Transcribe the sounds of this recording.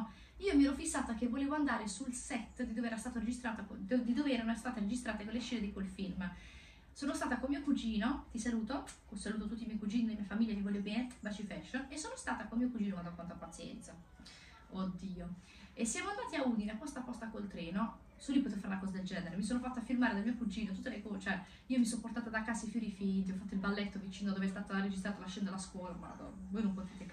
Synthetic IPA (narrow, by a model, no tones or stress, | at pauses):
iːomiɛɾɔfisːaːt̪akevːoleːvoand̪aːɾesulsɛt̪ːd̪id̪oːveɛːɾast̪aːt̪oɾed͡ʒist̪ɾaːt̪ad̪id̪oːveɛːɾanoɛst̪aːt̪eɾed͡ʒist̪ɾaːt̪ekolːeʃɛːned̪ikolfilm | soːnost̪aːt̪akolmiːokud͡ʒiːnot̪isaluːt̪okosaluːt̪̬ot̪ut̪ːimɛjkud͡ʒiːnid̪imiafamilʎːamivɔljopiɛt̪ːbat͡ʃifɛʃːonesːoːnost̪aːt̪akolmiːokud͡ʒiːnokwaak̪ːant̪apat̪sjɛ̰nt̪sa | od̪ːiːo | esːjaːmoand̪aːt̪iaud̪ineapːɔst̪apːɔst̪akolt̪ɾɛːno | sulːipot̪eːvofaɾunakɔːzad̪eld͡ʒɛːneɾemis̬oːnofat̪ːafːirmaːɾed̪almiːokud͡ʒiːnot̪ut̪ːelekot͡ʃoɛ | iːomisomport̪aːt̪ad̪akːasaifjuːɾifint̪iɔfat̪ːoilbalːɛt̪ːovit͡ʃiːndod̪oveɛst̪aːt̪oɾed͡ʒist̪ɾaːt̪olaʃɛnd̪olaskorma̰d̪o̰vojnompot̪it̪e